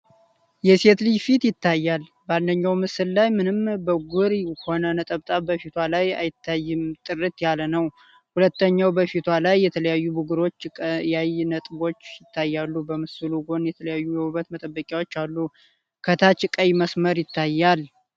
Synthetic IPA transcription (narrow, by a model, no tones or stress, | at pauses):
jɛse̞t̪lifit̪jɪt̪ːajːal | bandəɲːawmɨsɨllajmɨnɨmbəɡʷuɾiho̞nənət̪ʼəβt̪ʼabəfit̪ʰwalaja̰jɪt̪ʰːajːɪmt̪ʼɨrɨt̪jalənəw | hulət̪ːəɲːawbəfit̪ʰwalajːɛt̪ʰələjajːubuɡɨɾo̞t͡ʃːʼjajnət̪ʼbo̞t͡ʃːjɪt̪ʰːajːalːubəmɨsɨluɡo̞njɛt̪ʰələjajːujɛwuβət̪mət̪ʼəbːəkʼjawo̞t͡ʃːalːu | kʰət̪ʰat͡ʃɨkʼəjməsməɾjɪt̪ʰːajːal